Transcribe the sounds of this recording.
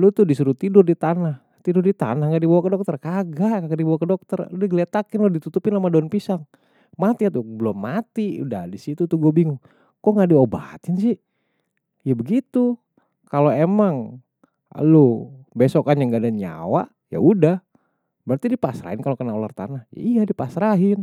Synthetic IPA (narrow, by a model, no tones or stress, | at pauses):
lut̪udisuɾut̪idʊrdit̪anah | t̪idʊrdit̪a̰nahŋɡaʔdibawakədɔk̚t̪ərkaɡakaɡadibawakədɔk̚t̪ərudɛhɡəlɛt̪akɪnlodit̪ut̪upɪnlamadonpisaŋ | mat̪iat̪ubəlɔmːat̪iṵda̰disit̪ut̪uɡobiŋuŋ | kɔŋɡaʔdioba̰t̪ɪnsɪ | jabəɡit̪u | kaloemaŋ | a̰lubesɔkaɲaŋɡadaɲa̰wa̰ | ja̰udah | bəɾart̪idipasɾa̰ɦɪnkalokənaolart̪a̰nahja̰ijadipasɾaɦɪn